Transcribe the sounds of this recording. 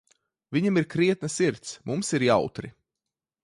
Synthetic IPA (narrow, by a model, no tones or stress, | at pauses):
vʲiɲimiɾkɾiɛt̪̚nɐsiɾt̪smumsiɾjawt̪ɾḭ